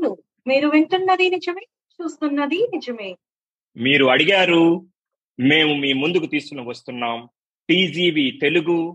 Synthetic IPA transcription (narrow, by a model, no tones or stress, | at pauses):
nu | miːɾuʋeɳʈunːɐd̪inid͡ʒɐmeː | t͡ʃuːst̪unːɐd̪inid͡ʒɐmeː | miːɾuɐɽiɡaːɾu | me̞ːmumiːmund̪ukut̪iːsu̥kunɐʋɐst̪unːaːm | ʈiːd͡ʒiːʋiːt̪e̞luɡu